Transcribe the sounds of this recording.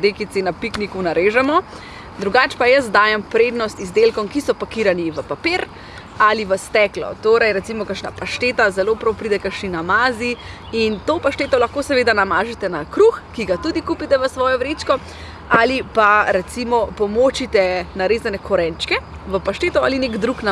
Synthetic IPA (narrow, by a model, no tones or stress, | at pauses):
ɾekit̪sinapiknikunaɾʔeːʒɛmɔ | d̪ɾuɡaːt͡ʃpajəs̬d̪aːjɛmpɾeːd̪nɔst̪izd̪elkɔmkisɔpakiɾaniʋəpapeːɾ | aliʋəst̪ɛːklɔ̰t̪oɾɛjɾɛt̪simɔkəɾʃna̰paʃt̪eːt̪azɛlopɾɔwpɾiːd̪ɛkəɾʃninamaːzi | int̪opaʃt̪eːt̪ɔlaxkoːsɛʋeːd̪anamaːʒɛt̪ɛnakɾuxkiɡat̪ud̪ikupit̪ɛʋəsʋɔːjɔʋɾeːt͡ʃkɔ | alipaɾɛt̪simɔpɔmot͡ʃit̪ɛnaɾeːzanɛkʰɔɾɛnt͡ʃkɛ | ʋəpaʃt̪eːt̪ɔa̰linekd̪ɾukna